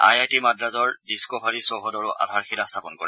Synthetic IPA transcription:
a̰jatimadɹazɔɹdiskɔbʱaɹisɔɦɔdɔɹʊʔa̰dʱaɹxilastʰapɔnkɔɹɛ

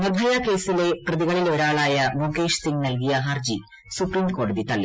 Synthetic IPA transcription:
nɐbʱɐjaːke̞ːsile̞prɐðiɣɐɭilo̞ːɾaːɭaːjɐmoːkeːʂsiŋɡnɐlkijɐɦaːrd͡ʑi | supriːmko̞ːɖuðit̪ɐlːḭ

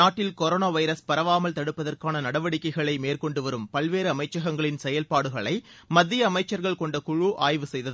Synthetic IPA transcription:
aːʈːɪlkɔɾoːnaːʋɐɪɾɐspɐɾɐʋaːmɐlt̪ɐɽɯpːɐðɐrkaːnɐnɐɽɐʋɐɽɪkːɐɪɣɐɭɐɪmeːrkɔɳɖɯʋɐɾɯmpɐlʋeːɾɯɐmɐɪt͡ʃːɐɣɐŋɡɐɭɪnsɛjɐlpaːɽɯɣɐɭɐɪmɐðːɪjɐːmɐɪt͡ʃːɐɾɣɐɭkɔɳɖɐkʊɻuʔaːjʋɯsɛjðɐðɯ

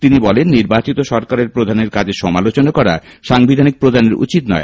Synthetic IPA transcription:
t̪inibɔlenːiɾbat͡ɕit̪oʃɔɾkaɾeɾpɾod̪ʱaneɾkad͡ʑʱeʃɔmalot͡ɕonakɔɾa̰ʃaŋbid̪ʱanik̚pɾod̪ʱaneɾṵt͡ɕit̪nɔ̰e

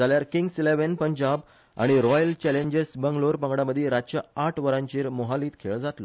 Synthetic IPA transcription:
aljaɾkiŋɡsileʋenpəɲd͡ʑab | a̰ɽ̃iɾɔjəlt͡ɕɛleɲd͡ʑesbəŋɡloɾpə̃ŋɡɽaməd̪ʱːiɾat͡ɕəaʈʰʋəɾãɲt͡ɕiːɾmoɦaliːt̪kʰeɭd͡zat̪lo

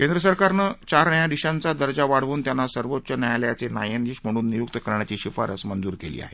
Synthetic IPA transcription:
kend̪ɾəsəɾkaɾnət͡ɕaɾnəjad̪iɕãnt͡sad̪əɾd͡zaʋaɽ̤ʋuːnt̪janːasəɾʋot̪ːɕənajaljat͡senajəniːɕm̤əɽ̃uːnːijuk̚t̪əkəɾɳjat͡ɕiːɕifa̰ɾə̰smənd͡zuːɾkelḭːa̰ɦe

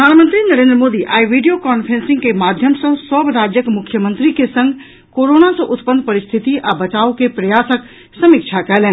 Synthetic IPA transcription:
əd̪ʱaːnmənt̪ɾinəɾẽnd̪ɾəmoːd̪iʔaːiʋiɖijokɔːnpʰɾensĩŋɡkemad̪ʱjəmsə̃səbɾad͡ʒjəkmʊkʰjəmə̃nt̪ɾikesə̃ŋɡʱ | koɾonasə̃ʔʊt̪pənd̪pəɾist̪ʰit̪iʔabət͡ʃaːukepɾəjaːsək | səmikt͡ʃʰakɛɦleːn

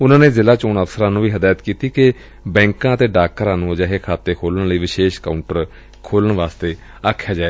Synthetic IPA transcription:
ʊnãːneːzɪlaːt͡ʃoːnəfsəɾãːnũːʋiːɦəd̪aːjət̪kiːt̪iːkɪ | bɛ̃ːŋkãːət̪eːɖaːkːəɾãːnũːd͡ʒaːɦeːkʰaːt̪eːkʰoːlənləiːʋɪʃeːʃkaːʊɳʈəɾ | kʰoːləɳʋaːst̪eː | aːkʰːjaːd͡ʒaːeː

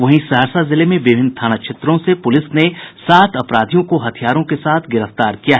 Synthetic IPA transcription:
ʋɐɦĩsɐɦəɾsazɪlemẽʋɪbʱɪnt̪ʰaːñaʃʰɪt̪ɾõsepʊlɪsnesaːt̪ʰɐpɾaːd̪ʱijõkoɦɐt̪ʰijaːɾõkesaːt̪ʰɡɪɾəft̪aːɾkijaɦɛ

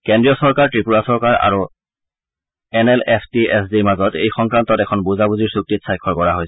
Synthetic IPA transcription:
kɛndɹijɔsɔɹkaɹtɹipuɹasɔɹkaɹa̰ɹu | ɛnɛlɛpʰtiɛsdimazɔtḛjxɔŋkɹantɔtɛkʰɔnbuzabuziɹsuk̚titsajkʰːɔɹkɔɹaɦojs

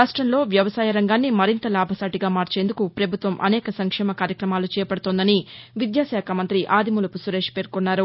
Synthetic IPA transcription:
aːʂʈɾɐnlo̞ːʋjɐʋɐsaːjɐɾɐŋɡaːnːimɐɾint̪ɐlaːbʱɐsaːʈiɡaːmaːɾt͡ʃe̞ːnd̪ukupɾɐbʱut̪ʋɐmʔɐ̰nɛːkɐsɐŋkʂɛːmɐkaːɾjɐkɾɐmaːlut͡ʃɛːjɐpɐɽt̪ond̪ɐniʋid̪jaːsjaːkʰɐmɐnt̪ɾiʔaːd̪imulɐpusuɾe̞ːʂpe̞ːɾkonːaːɾu

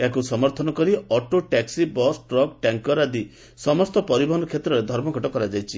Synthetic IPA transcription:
eakusɔmɔɾt̪ʰɔnɔkɔɾiɔʈoʈaksibɔsʈɾɔk̚ʈaŋkɔɾad̪i | sɔmɔst̪ɔpɔɾibɔɦɔnɔkʰjet̪ɾɔɾed̪ʱɔɾmɔɡʱɔʈɔkɔɾad͡ʒajt͡ʃʰi

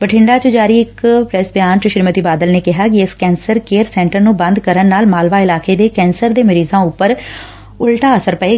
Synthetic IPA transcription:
bəʈʰɪɳɖaːt͡ʃəd͡ʒaːɾiːɪkpɾɛsbjaːnt͡ʃəʃɾɪmət̪iːbaːd̪əlneːkɪɦaːk̬ɪɪskɛːnsəɾkeːɾsɛ̃ːɳʈəɾnũːbə̃nd̪kəɾənːaːlmaːlʋaːɪlaːkeːd̪eːkɛːnsəɾd̪eːməɾiːzãːʊpːəɾ | ʊlʈaːəsəɾpəeː

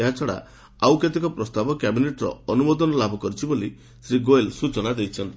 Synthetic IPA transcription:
eɦat͡ʃʰɔɽa̰ | awket̪ikɔpɾɔst̪abɔkabineʈɾɔ̰ɔnumɔd̪ɔnɔlabʱɔkɔɾit͡ʃʰiboli | sɾiɡoelsut͡ʃɔnad̪ejt͡ʃʰɔnt̪i

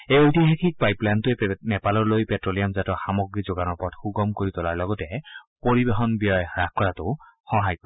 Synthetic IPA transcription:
ejojtiɦakʰik̚pajplantuɛnɛpalɔɹlojpɛtɹolijamzatɔxamɔɡɹizoɡanɔɹpɔtxuɡɔmkoɹitɔlaɹlɔɡɔtɛpoɹibeɦɔnbijɔjɹakkɔɹatʊxɔɦajkɔ

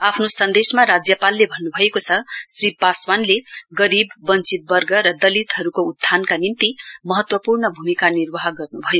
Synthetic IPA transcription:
apʰnosʌnd̪esmaɾad͡zjʌpalːebʱʌnːubʱʌekot͡sʰʌsripaswanleɡʌɾibːʌnt͡sit̪̚bʌrɡʌɾʌd̪ʌlit̪ɦʌɾukoud̪ʱːankanimt̪imʌɦʌt̪wʌpurnʌbʱumikanirwʌɦʌɡʌrnubʱʌjo

